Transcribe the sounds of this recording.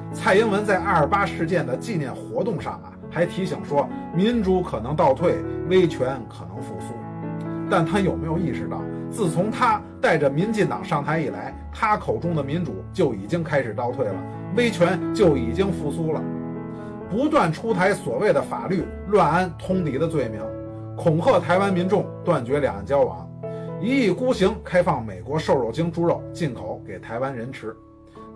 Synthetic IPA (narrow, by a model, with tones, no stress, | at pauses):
t͡sʰa˥˩ɪi˥nwə˧˥nt͡sa˥˧ɪa˥˧˩ə˞˨˩pa˥ʂɻ̩˥˧t͡ɕjɛ˥˩nd̪ə˩t͡ɕi˥˧njɛ˥˩nxwɔ˧˥t̪ʊ˥˧ŋʂɑ̰˥˩ŋə̰˩xa˧˥ɪt̪ʰi˧˥ɕi˨˩ŋʂwɔ˥mi˧˥nʈ͡ʂu˧˥kʰɤ˨˩nɤ˧˥ŋt̪ɑ˥˧ʊt̪ʰwe˥˩ɪwe˥ɪt͡ɕʰɥɛ˧˥nkʰɤ˨˩nɤ˧˥ŋfu˧˥su˥ | t̪a˥˩nt̪ʰa˥jo˨˩ʊme˧˥jo˧ʊi˥˧ʂɻ̩˥˧t̪ɑ̰˥˩ʊt͡sɹ̩˥˩t͡sʰʊ˧˥ŋt̪ʰa˥ | t̪a˥˩ɪʈ͡ʂə˩mi˧˥nt͡ɕi˥˩t̪ɑ̰˨˩ŋʂɑ˥˩ŋt̪ʰa˧˥ɪi˨˩la̰˧˥ɪ | t̪ʰa˥kʰo˨˩ʊʈ͡ʂʊ˥ŋd̪ə˨mi˧˥nʈ͡ʂu˨˩˦t͡ɕjo˥˩ʊi˨˩t͡ɕi˥ŋkʰa˥ɪʂɻ̩˨˩t̪ɑ˥˧ʊt̪ʰwe˥˩ɪlə̰˩ | we˥ɪt͡ɕʰɥɛ˧˥nt͡ɕjo˥˩ʊi˨˩t͡ɕi˥ŋfu˧˥su˥lə̰˨ | pu˧˥t̪wa˥˩nʈ͡ʂʰu˥t̪ʰa˧˥ɪswɔ˨˩we˥˩ɪd̪ə˩fa̰˨˩ly˥˩ | lwa˥˧nə˥nt̪ʰʊ˥ŋt̪i˧˥d̪ə˧t͡swe˥˩ɪmi˧˥ŋ | kʰʊ˨˩ŋkʰɤ˥˩t̪ʰa˧˥ɪwa˥nmi˧˥nʈ͡ʂʊ˥˧ŋt̪wa˥˩nt͡ɕɥɛ˧˥ljɑ˨˩ŋ˥˩t͡ɕjɑ˥ʊwɑ̰˧˥ŋ | i˧˥i˥˩ku˥ɕi˧˥ŋkʰa˥ɪfɑ˥˩ŋme˨˩ɪkwɔ˧˥ʂo˥˧ʊɻo˨˩ʊt͡ɕi˥ŋʈ͡ʂu˧˥ɻo˨˩ʊt͡ɕi˥˩nkʰo˧˥˦ʊke˨˩ɪt̪ʰa˧˥ɪwa˥nɻə˧˥nʈ͡ʂʰɻ̩˧˥